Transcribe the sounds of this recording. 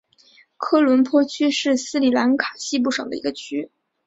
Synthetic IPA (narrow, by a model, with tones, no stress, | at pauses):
kʰɤ˥lwə˧˥npʰwɔ˥t͡ɕʰy˥ʂɻ̩˥˩sɹ̩˥li˨˩la˧˥nkʰa˨˩ɕi˥p̬u˥˩ʂɤ˨˩ŋd̪ə̰˦˧ḭ˧˥ɡə˧t͡ɕʰy˥